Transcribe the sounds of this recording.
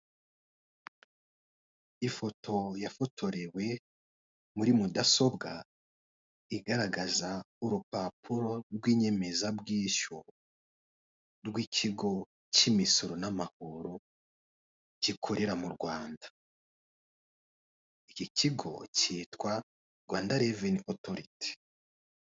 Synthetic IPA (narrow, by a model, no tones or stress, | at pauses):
ifo̞tʰo̞jafo̞tʰo̞ɾewe̞ | muɾimudaso̞bɡa | iɡaɾaɡaza | uɾupapʰuɾo̞ɾɡwiːɲe̞me̞zabɡiːʃo | ɾɡwiːcʰiɡo̞ | cimisoɾonamahuɾu | ɟikʰoɾeɾamuɾɡwaːndḁ | iciciɡo̞̰ciːtwa | ɾɡwaːndaɾevinotoɾite̥